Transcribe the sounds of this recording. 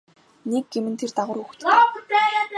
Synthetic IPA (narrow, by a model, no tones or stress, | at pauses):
nek̚ɡemɘ̆nt̪ʰert̪aʁʊ̆ːɾuxt̪ʰ